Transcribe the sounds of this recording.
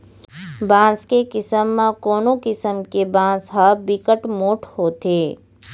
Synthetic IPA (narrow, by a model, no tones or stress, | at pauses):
bãːskekɪsəmːãkoːnokɪsəmkebãːsɦabɪkəʈmoːʈʰhoːt̪eː